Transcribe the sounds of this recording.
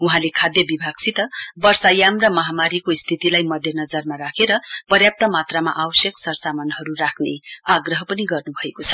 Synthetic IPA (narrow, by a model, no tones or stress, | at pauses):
uɦãlekʰad̪jʌbibʱaɡ̚t͡sʰit̪ʌbʌrsajamrʌmʌɦamaɾikoist̪ʰit̪ilajmʌd̪ʱjʌnʌd͡zʌrmaɾakʰeɾʌpʌrjap̚t̪ʌmat̪ramaʔawʌsjʌksʌrsamʌnɦʌɾurakʰneaɡrʌɦʌpʌniɡʌrnubʱʌekot͡sʰʌ̥